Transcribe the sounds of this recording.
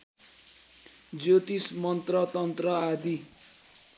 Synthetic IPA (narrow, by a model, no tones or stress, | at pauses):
d͡zot̪ismʌnt̪rʌt̪ʌnt̪rʌad̪i